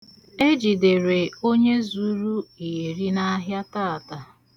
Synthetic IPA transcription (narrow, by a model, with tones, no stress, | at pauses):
e˦d͡ʒi˨dɪ˨ɾe˨o˦ɲe˦zu˦ɾu˦i˨ɾi˦na˦a˦ɦja˦taː˦˨a˨ta˨